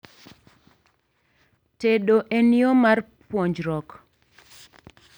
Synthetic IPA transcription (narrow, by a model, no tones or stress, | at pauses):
teɗoʔeniomarpwɔɲd͡ʒɾɔk